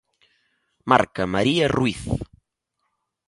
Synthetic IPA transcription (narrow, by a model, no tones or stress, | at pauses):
ma̰ɾkɐmaɾiɐrwiθ